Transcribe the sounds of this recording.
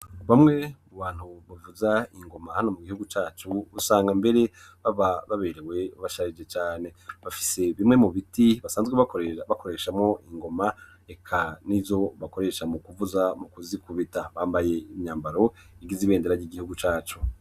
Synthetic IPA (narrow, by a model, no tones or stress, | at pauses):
βamŋe̞muβaːn̥huβuvuzaiŋɡo̞mahano̞muɡihuɡut͡ʃaːt͡ʃuβusaːŋɡambe̞ɾe̞ | βaβaβaβe̞ɾewe̞βaʃaɾid͡ʒet͡ʃaːne̞βafi̥se̞βimŋe̞muβitiβasaːnzɡweβako̞ɾe̞ʃamŋo̞iŋɡo̞ma | ekʰanizo̞βako̞ɾe̞ʃamukuvuzamukuzikuβitaβaːmbaje̞imɲaːmbaɾo̞ | iɡiziβeːndeɾaɾiɡihuɡut͡ʃaːt͡ʃu